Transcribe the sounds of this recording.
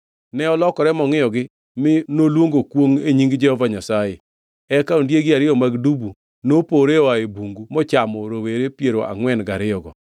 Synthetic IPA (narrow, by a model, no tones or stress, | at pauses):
nɛɔlɔkɔɾɛmɔŋɪɔɡɪ | mɪnolwoŋɡokwoŋeɲiŋɡd͡ʒɛhɔvaɲasaje | ɛkaondjeɡɪaɾɪɔmaɡdubu | nopoɾeɔaebuŋɡumɔt͡ʃamɔɾoweɾepjeɾoʔa̰ŋwɛnɡaɾɪɔɡɔ̰